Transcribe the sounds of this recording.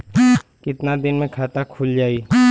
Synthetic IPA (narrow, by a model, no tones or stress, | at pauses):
kɪt̪nad̪ɪnmẽkʰaːt̪akʰuld͡ʒaːi